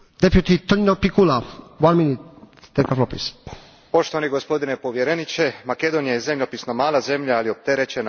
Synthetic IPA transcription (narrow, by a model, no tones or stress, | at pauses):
d̪epjut̪it̪oninopikulawanminit̪ː | ekaflopis | po̞ʃt̪oʋaniɡospo̞d̪inepo̞ʋjeɾenit͡ʃemake̞d̪onijajezemʎopisnomaːlaze̞mʎaalio̞p̚t̪eɾet͡ʃena